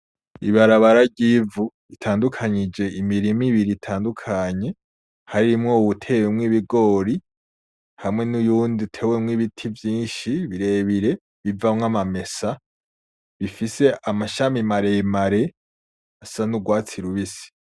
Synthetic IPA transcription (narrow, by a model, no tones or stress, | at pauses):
iβaɾaβaɾaɟiːvu | itʰaːndukʰaɲid͡ʒe̞ʔimiɾimiβiɾiːtʰaːndukʰaɲe̞ | haɾimŋo̞uβutʰe̞ːwemŋiβiɡo̞ɾi | hamŋe̞nujuːndiutʰe̞ːwemŋiβitʰivjiːnʃiβiɾe̞ːβiɾe̞ | βivamŋamame̞sa | βifise̞amaʃamimaɾemaɾe̞ | asanuɡwaːt͡siɾuβisi̥